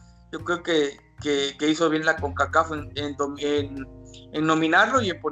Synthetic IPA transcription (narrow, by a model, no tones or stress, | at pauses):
ɟ͡ʝo̞kɾe̞oke | kekeiso̞βje̞nlakoŋkakafenend̪omenenːo̞mĩnaɾlo̞ie̞mpo